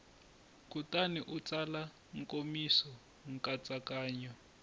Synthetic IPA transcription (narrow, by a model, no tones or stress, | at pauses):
kutaniʔut͡sala | ŋ̩kʼomisɔ | ŋ̩kʼat͡sʼakaːɲɔ